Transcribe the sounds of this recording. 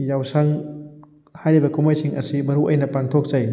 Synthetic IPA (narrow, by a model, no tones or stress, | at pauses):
jawsaŋ | hajɾibɐkumajsiŋɐ̰sibɐɾuʔɐjnɐpaŋt̪ʰok̚zɐj